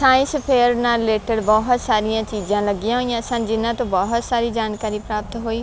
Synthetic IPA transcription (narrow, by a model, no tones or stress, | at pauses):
saːɪ̃spʰeːɾnaɾɪleːʈəɖbɔːɦʊt̪saːɾɪjãːt͡ʃiːd͡ʒãːləɡɪjãɦoːijãsãːnd͡ʒɪnãːt̪õbɔːɦʊt̪saːɾiːd͡ʒaːnkaːɾiːpɾaːp̚t̪ɦoːiː